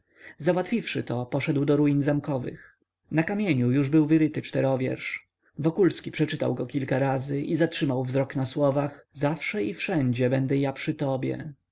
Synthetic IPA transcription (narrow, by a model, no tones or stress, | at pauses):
zawat̪fʲifʂɘt̪ɔpɔʂɛd̪wd̪ɔɾujinzamkɔvɘ̰x | nakamʲjeɲujuʐbɘwvɘɾɘt̪ɘt͡ʂt̪ɛɾɔvʲjɛ̰ɾʂ | vɔkulskʲipʂɛt͡ʂɘt̪a̰wɡɔkʲilkaɾazɘʔizatʂɘmawvzɾɔknaswɔvaxzafʂɛifʂɛɲd͡ʑɛbɛnd̪ɛjapʂɘt̪ɔbʲjɛ̰